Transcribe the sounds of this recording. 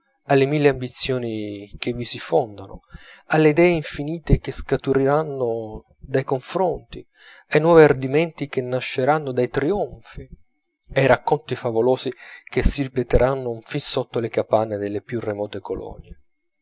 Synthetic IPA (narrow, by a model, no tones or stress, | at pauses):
alːemilːeambit̪sːjoːnik̟evːisifɔnd̪anʊ̰alːeid̪ɛːeiɱfiniːt̪ekeskat̪uɾiɾanːo | d̪ajkoɱfɾɔnt̪i | ajnwɔːviard̪imɛnt̪ik̟enːaʃːeɾanːod̪ajt̪ɾiɔɱfi | ajɾakːont̪ifavoloːzik̟esːiɾipet̪eɾʔanːʊfinsot̪ːolekapanːed̪elːepjurːemɔːt̪ekolɔ̰nje